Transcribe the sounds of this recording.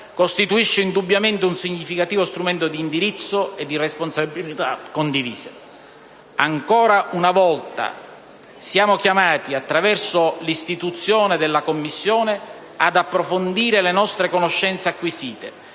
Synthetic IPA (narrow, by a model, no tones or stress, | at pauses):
kost̪it̪uiʃːeind̪ubːjament̪eunsiɲːifikat̪iːvost̪ɾumɛnt̪od̪iːnd̪iɾit̪sːoed̪ːiresponsabilit̪akːond̪ivḭːse | aŋkɔːɾaʔunavɔlt̪a̰ | sjaːmokjamaːt̪iat̪ːɾavɛrsolist̪it̪ut̪sːjoːned̪elːakomːisːjoːne | ad̪apːɾofond̪iːɾelenɔst̪ɾekonoʃːɛnt̪seakːwisiːt̪e